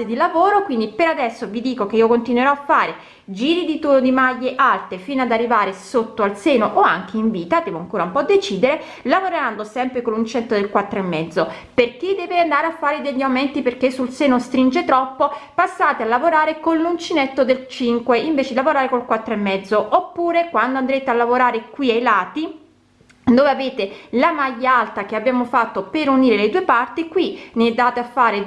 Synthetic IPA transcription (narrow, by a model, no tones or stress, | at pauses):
sed̪ilavoːɾokwind̪ipeɾad̪ɛsːovid̪iːkok̟eiːokont̪inweɾɔafːaːɾe | d͡ʒiːɾid̪it̪uːɾod̪imajːeʔalt̪efiːnoad̪arːivaːɾesot̪ːoalseːnoʔoa̰ŋk̟ʰeiɱviːt̪ad̪ɛːvoaŋkoːɾaumpɔd̪ːet͡ʃiːd̪eɾe | lavoɾeɾand̪osɛmpɾekolːunt͡ʃinet̪ːod̪elkwat̪ːɾoemːɛd̪zːoperk̟ed̪ɛːveand̪aːɾeafːaːɾed̪eʎːamɛnt̪iperk̟esːulseːnost̪ɾind͡ʒet̪ɾɔpːopasːaːt̪ealːavoɾaːɾekonlunt͡ʃinet̪ːod̪elt͡ʃiŋkweʔiɱveːt͡ʃed̪ilavoɾaːɾekolkwat̪ːɾoemːɛd̪zːoʔopːuːɾekwand̪oand̪ɾeːt̪ealːavoɾaːɾekwiajlaːt̪i | d̪oːveaveːt̪elamaʎːaalt̪ak̟eabːjaːmofat̪ːopeɾuniːɾeled̪uepart̪ikwineɛd̪ːaːt̪eafːaːɾe